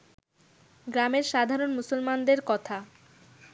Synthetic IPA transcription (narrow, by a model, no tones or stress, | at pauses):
ɡɾameɾʃad̪ʱaɾonmusolmand̪eɾkɔt̪ʰa